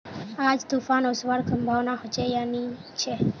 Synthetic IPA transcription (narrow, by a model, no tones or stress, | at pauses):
ad͡ʒd̪ufanosʋaɾkəmbʱaʋnaɦəd͡ʒejanit͡ʃʰe